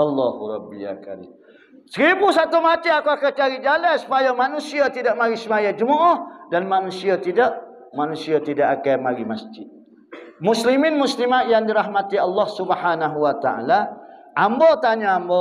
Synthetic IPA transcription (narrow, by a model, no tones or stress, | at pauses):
alːɔhuɾɔbːia̰ka̰ɾḭ | səɾibusat̪umat̪iakuakat͡ʃaɾid͡ʒalasu̥pajamanũsiat̪idaʔmaɾisəmajad͡ʒəmɔʔɔhdanmanusiat̪idaʔ | manusiat̪idaʔakamaɾimasd͡ʒɪt̪̚ | muslimɪnmuslimat̪̚jaŋdiɾaɦmat̪ialːɔhsubhanaɦuwat̪aʔa̰laʔambot̪aɲaambo